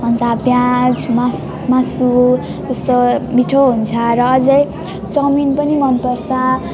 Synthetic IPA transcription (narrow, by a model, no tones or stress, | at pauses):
ɦʌnt̪abjãd͡zma | masu | t̪ʌst̪omiʈʰoɦunt͡sʰʌɾʌːd͡zʌj | t͡sʌminpʌnimʌnpʌrsʌ